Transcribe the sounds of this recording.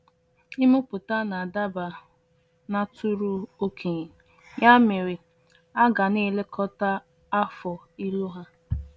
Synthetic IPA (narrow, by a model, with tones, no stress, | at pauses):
i˦mʊ˦pʊ˨ta˦na˨a˨da˦ba˨ | na˦tʰʊ˦ɾu˦o˦kʰe˨ɲ˨ | ɲa˦mɪ˨ɾi˨ | a˦ɡa˨ni˦˨le˦kʰɔ˦ta˦ | a˦fɔ˨i˦lo˦ɦa˦